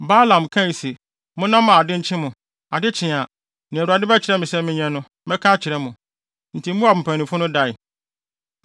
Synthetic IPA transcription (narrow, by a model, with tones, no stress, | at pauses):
ba˦lã˨mkʰã˦i˨si˨ | mʊ̃˦nã˦mã˨a˨dɪ˦ɲ̩˦t͡ɕʰɪ̃˦mʊ̃˨ | a˨dɪ˦t͡ɕʰɪ̃˨a˨ | nɪ̃˨ɾu˨a˨dɪ˦bɛ˦t͡ɕʰɪ˨ɾɛ˦mɪ̃˨sɛ˦mɪ̃˦ɲɛ̃˦nʊ̃˦ | mɛ̃˦kʰa˦t͡ɕʰɪ˨ɾɛ˦mʊ̃˨ | n̩˨tʰi˨m̩˦mũ˦a˨m̩˨pʰæ̃˨nĩ˨fʊ˦nʊ̃˦da˦˨ɪ˨